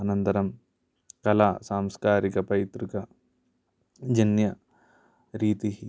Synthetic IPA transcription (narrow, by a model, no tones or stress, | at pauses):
ɐnɐnt̪ɐɾɐm | kɐlaːsaːmskaːɾikɐpɐit̪ɾukɐ | d͡ʒɐnjɐ | ɾiːt̪iɦi